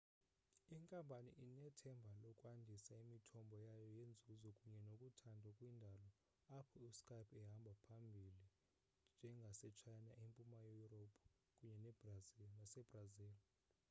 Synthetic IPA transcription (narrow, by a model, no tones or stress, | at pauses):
iŋkʼampʼanḭʔinɛtʰɛmbʱalɔkʼwandʱisaimitʰɔmbʱɔjajɔjend͡zʱuzɔkʼuɲɛnokʼutʰandʱukʼwindʱalɔ | apʰɔiskʼapʰɛɦambʱapʰambʱili | nd͡ʒʱɛŋɡʱasɛt͡ʃʰajnaʔempʼumajejurɔpʰ | kʼuɲɛnɛbraznasɛbraziːl